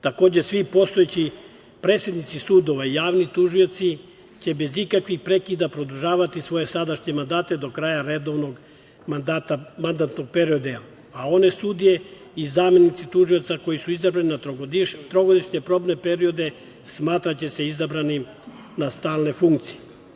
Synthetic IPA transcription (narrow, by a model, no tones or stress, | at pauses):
t̪ako̞ːd͡ʑesʋipo̞st̪oet͡ɕi | pɾesjed̪nit̪sisuːd̪o̞ʋaijaːʋnit̪uʒio̞t̪si | t͡ɕe̞be̞zikakʋixpɾe̞kid̪apɾo̞d̪uʒaːʋat̪isʋo̞je̞sad̪aʃɲe̞mand̪aːt̪e̞d̪o̞kɾaːjaɾed̪o̞ʋno̞ɡ | mand̪aːt̪amand̪at̪no̞ɡ̚peɾiod̪e | ao̞ne̞sud̪ije̞ | izaːme̞nit̪sit̪uʒio̞t̪sako̞jisuizabɾaninatot̪ɾoɡod̪iʃɲepɾo̞ːbne̞peɾio̞d̪e̞ | smaːt̪ɾat͡ɕe̞se̞izabɾani | nast̪aːlne̞fuŋk̚t̪sije